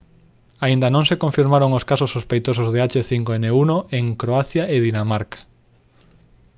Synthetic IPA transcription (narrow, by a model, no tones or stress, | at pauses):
aind̪ɐnõŋsekõɱfiɾmaɾoŋoskasosːospejt̪osozðeat͡ʃeθiŋkoeneunoʔeŋkɾoaθjaeðinamaɾkḁ